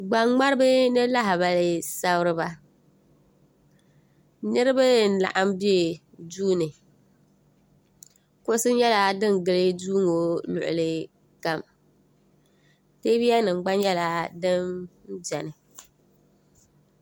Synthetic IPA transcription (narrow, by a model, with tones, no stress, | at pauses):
ɡ͡ba˨ŋŋ͡ma˦ɾɨ˦bɨ˦nɨ˦la˦ɦɪ˨ba˦lɪ˦sa˦bʊ˦ɾɨ˦ba˦ | nɨ˦ɾɨ˦bɨ˦˨n̩˨la̰˨ʔa˦mbi˦e˨ | duː˦nɨ˨ | kʊ˦ʊ˦sɨ˦ɲ˦ɛ˦la˦dɨ˦nɡɨ˦lɨ˦duː˦ŋo˨lʊ̰˨ʔʊ̰˨lɨ˦ | ka˦m | teː˦bi˦a˦nɨ˨ŋ͡mɡ͡ba˦njɛ˦la˨dɨ˦mn̩˦d͡ʒɛ˨nɨ˨